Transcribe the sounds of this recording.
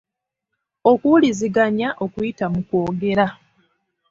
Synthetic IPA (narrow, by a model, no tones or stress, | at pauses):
o̞kuliziɡaɲaʔo̞kwitamukwo̞ːɡe̞ɾa